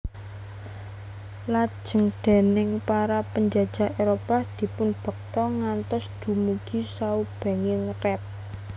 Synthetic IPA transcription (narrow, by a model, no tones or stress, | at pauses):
lḁʒ̥ə̤ŋd̪̥e̤nɪŋpaɾapəɲd͡ʒad̥d͡ʒ̥a̤ʔeɾopad̪̥i̤pʊnb̥ə̤k̚t̪ɔŋant̪ɔsd̪̥ṳmuɡ̥isaub̥e̤ŋɪŋrɛt̚